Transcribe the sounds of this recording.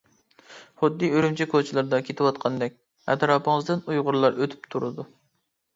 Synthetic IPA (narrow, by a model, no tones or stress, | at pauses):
χʊd̪ːiøɾymt͡ʃʰɛkʰot͡ʃʰɪlˠɨɾd̪ɑkʲʰet̪ʰɪwɑt̪qʰɑnd̪ɛk̚ʲ | ɛ̰t̪ɾɑːpʰɨŋəzd̪ɨnujʁʊɾlˠɑɾøt̪ʰy̥p̚t̪ʰuɾɨd̪u